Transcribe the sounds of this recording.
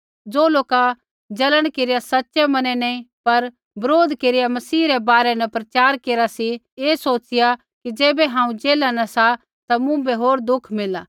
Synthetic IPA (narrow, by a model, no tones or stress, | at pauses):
d͡ʒoːloːka | d͡ʒɐləɽ̃keːɾɪijasɐtːʃɛmɐnɛ̃nɐ̃ĩpɐɾ | bɐɾoːd̪keːɾɪjamɐsiːɾɛbaːɾɛnɐpɾɐt͡ʃaːɾkeːɾasi | eːsoːt͡ʃɪja | kid͡ʒeːbɛɦãːũd͡ʒeːlanɐsa | t̪amũbeɦoːɾd̪ʊkʰmɪla